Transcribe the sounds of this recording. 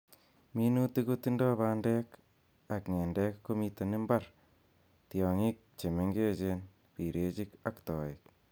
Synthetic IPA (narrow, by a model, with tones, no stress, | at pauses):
mi˦nu˦ti˦ku˦ti˦ndɔ˦ba˦ndɛ˦k | a˨kŋe˨ndɛ˦kkːo˦mite˨nɪ˦mba˦r | tjɔ˨ŋi˦k̚t͡ʃe˨me˦ŋɡe˦t͡ʃen | pi˨ɾʔe˦t͡ʃi˦kakt̪ɔː˨ɪ˨k̚